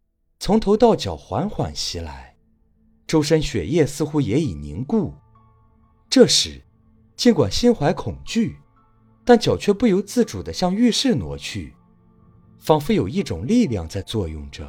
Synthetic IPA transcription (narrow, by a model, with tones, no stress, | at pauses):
t͡sʰʊ˧˥ŋt̪ʰo˧˥ʊt̪ɑ˥˩ʊt͡ɕjɑ˨˩ʊxwa̰˧˥nxwa̰˨˩nɕi˧˥la̰˧˥ɪ | ʈ͡ʂo˥ʊʂ̬ə˥nɕɥɛ̰˨˩jɛ˥˩sɹ̩˥˧xu˥jɛ˧˥i˨˩nḭ˧˥ŋku˥˩ | ʈ͡ʂɤ˥˩ʂɻ̩˧˥˦ | t͡ɕi˧˥nkwa̰˨˩nɕi˥nxwa˧˥ɪkʰʊ˨˩ŋt͡ɕy˥˩ | t̪a˥˩nt͡ɕjɑ˨˩ʊt͡ɕʰɥɛ˥˧pu˥˩jo˧˥ʊt͡sɹ̩˥˩ʈ͡ʂu˨˩d̪ə˦ɕjɑ˥˧ŋy˥˧ʂɻ̩˥˩nwɔ̰˧˥t͡ɕʰy˥˩ | fɑ˥ŋfu˥˧jo˨˩ʊi˥˩ʈ͡ʂʊ̰˨˩ŋli˥˧ljɑ˥˧ŋt͡sa˥˧ɪt͡swɔ˥˧jʊ̰˥˩ŋʈ͡ʂə̰˩˦